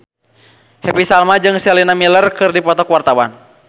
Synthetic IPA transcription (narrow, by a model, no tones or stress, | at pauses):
hɛpisalmad͡ʒɨŋsɛlinamilərkɨrdipɔt̪ɔkwart̪awan